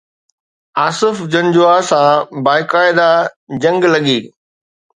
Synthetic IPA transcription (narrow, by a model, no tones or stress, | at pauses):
aːsɪfd͡ʑɐ̃nd͡ʑoasãːbaːɪkaːɪd̪ad͡ʑɐ̃ŋɡlɐɠiː